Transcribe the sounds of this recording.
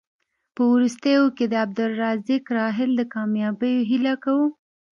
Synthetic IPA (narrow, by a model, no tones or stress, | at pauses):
pəwɾust̪əjoked̪əab̚d̪ʊlːɑzikɾɑɦɪld̪əkɑmjɑbəjoɦilakawu